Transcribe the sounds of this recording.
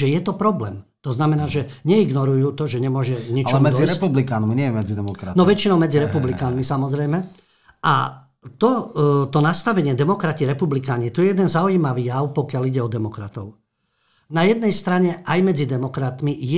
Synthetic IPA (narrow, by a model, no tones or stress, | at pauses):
ʒɛjɛt̪ɔpɾɔblɛ̰ːm | t̪ɔznamɛnaːʒɛɲɛiɡnɔɾujuːt̪ɔʒɛɲɛmʊɔʒɛɲit͡ʃmɛiɾɛpublikaːnminɪɛjɛmɛd͡zid̪ɛmɔkɾanɔʋɛt͡ʃinɔʊmɛd͡ziɾɛpublikaːnmisamɔzɾɛjmɛ | ʔa | t̪ɔt̪ɔnast̪aʋɛɲɪɛd̪ɛmɔkɾaciɾɛpublikaːɲit̪ɔjɛjɛd̪ɛnzaujimaʋiːjaʊpɔkɪaliɟɛɔd̪ɛmɔkɾa̰t̪ɔʊ | najɛd̪̚nɛjst̪ɾaɲɛʔajmɛd͡zid̪ɛmɔkɾat̪mijɛ